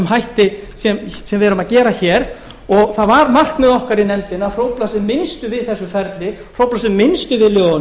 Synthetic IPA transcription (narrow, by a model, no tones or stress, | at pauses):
ɛmɦajht̪ɪsɛmsɛmvɪɛɾʏmaðcɛːɾaçɛːɾ̥ | ɔɣθaðvaɾmar̥knʏðɔhkaɾinɛmt̪ɪnafɾowplas̬ɛmːɪnst̪ʏvɪðθɛsːʏfɛɾt̪lɪfrowplasɛmːɪnst̪ʏvɪðljœːɣn